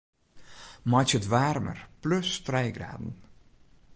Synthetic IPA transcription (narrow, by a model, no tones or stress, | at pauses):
mɑt͡ʃətʋaːrmə̰rplɵstrɛjɡra̰ːdn̩